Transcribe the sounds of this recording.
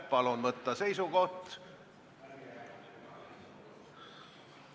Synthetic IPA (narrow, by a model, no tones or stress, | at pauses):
pɑlunvɤt̪ːɑse̞jsuɡo̞ht̪ː